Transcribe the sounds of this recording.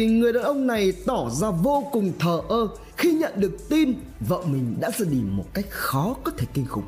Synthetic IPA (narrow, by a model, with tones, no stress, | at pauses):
ŋɨ˨˩əjɗa̰ː˨˩ʔə˧wŋ͡mna˨˩jt̪ɔ˧˩zaː˧vo˧kʊ˨˩ŋ͡mt̪ʰəː˨˩ʔəː˧ | xi˧ɲə̰˧˨nɗɨ˨˩ək̚t̪i˧n | və̰˧˨wmï˨˩ŋ̟ɗa̰ː˧˥zəː˧˩ɗi˨˩mo˨˩t̚ka˦˥jk̚xɔ˨˦kɔ˨˦t̪ʰe˧˩k̪ï˧ŋ̟xʊ̰˨˩k͡p̚